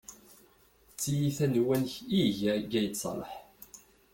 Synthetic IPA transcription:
t͡sːijiθænwænçiʝæɡæjəsˤlˤə̰ħ

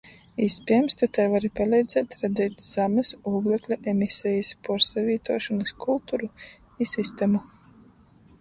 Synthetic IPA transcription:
ispʲiɛmst̪ut̪ɛjvaɾipalʲˠɛjd̪z̥ʲɛːt̪ɾad̪ɛːt̪ʲz̥amɐsuːɡlˠɛklʲuʔɛmʲisʲɛjispɔɾsavʲiːt̪uɔʃɔnɐskʰulˠt̪uɾu | isist̪ɛmu

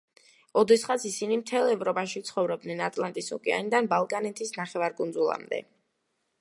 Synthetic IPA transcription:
ɔd̪ɛsχat̪sisinimt̪ʰɛlˠɛvɾɔpʼaʃit̪sʰχɔvɾɔb̚d̪nɛnat̪ʼlˠant̪ʼisṵkʼɛa̰nid̪anbalˠkʼanɛt̪ʰisnaχɛvaɾɡʼundzulˠa̰md̪ɛ̰

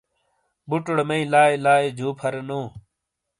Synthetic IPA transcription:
bʊʈʊɽmẽĩːlaːelaːed͡ʑʱoːpʰəɾnõː

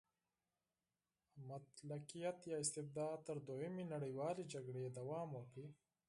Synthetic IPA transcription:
mat̪laqijat̪jɑːɪst̪ɪfd̪ɑd̪̚t̪əɾd̪ojəmenaɽəjwɑːled͡ʒaɡɽed̪awɑːmwəkɽi

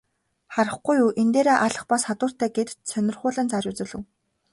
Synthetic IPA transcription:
χaɾə̆χɡujuːʔent̪eːɾeːʔaɮə̆χpɔsχat̪ʊːr̥t̪æːɡet̪sʰœnʲɪ̆rχʊːɮə̆ːnt͡saɾʲʊːt͡sɘ̆ɮɘ̆w

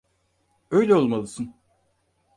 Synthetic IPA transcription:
øjlʲɛo̞lˠmalˠɯsɯn

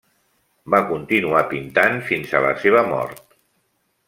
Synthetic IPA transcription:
bakunt̪inuapint̪anfinzələ̰seβ̞əmɔ̰ɾt̪

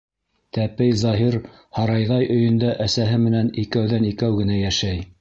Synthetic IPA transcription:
t̪æpɘjzɑɦiɾ | hɑɾɑjðɑjʔɵ̆jɵ̆nd̪æʔæsæɦɘmɘ̆nænikæwðænikæwɡɘ̆næjæʃæj

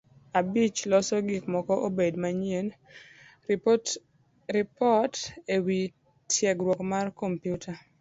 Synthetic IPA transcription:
abit͡ʃlɔsɔɡikmɔkɔʔobedmaɲien | ɾɪpɔtewi | tʰjɛɡɾwɔkmarkompjutʰa

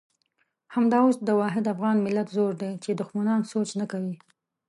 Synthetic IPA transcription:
hamd̪ɑos̚d̪əwɑɦɪd̪afɣɑnmɪlat̪zoɾd̪et͡ʃed̪ʊxmanɑnsot͡ʃnakawi

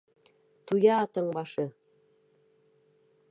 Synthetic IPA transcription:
t̪ujɑːt̪ɤ̆ŋbɑʃɤ

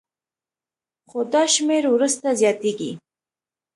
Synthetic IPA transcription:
χod̪ɑʃmeɾwɾust̪azjɑt̪eɡi

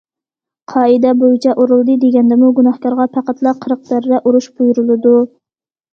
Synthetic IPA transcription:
qʰɑːɨd̪ɛbojit͡ʃʰɛʔoɾɨlˠd̪ɨd̪eɡʲɛnd̪ɪmuɡunɑhkɑɾʁɑpʰæqæt̪lˠɑqʰəɾəq̚t̪æɾd̪ɛʔuɾuʃbujuɾɨlˠɨd̪u

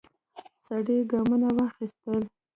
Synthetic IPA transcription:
saɽeɡamunawɑxist̪əl

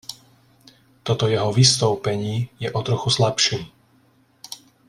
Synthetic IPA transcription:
t̪ɔt̪ɔjɛɦɔʋist̪ɔʊpɛɲiːjɛʔɔt̪ɾɔxuslapʃiː

